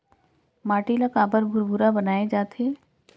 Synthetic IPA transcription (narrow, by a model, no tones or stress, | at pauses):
maːʈiləkaːbəɾbʱʊɾbʱuɾabənaːed͡ʒaːt̪eː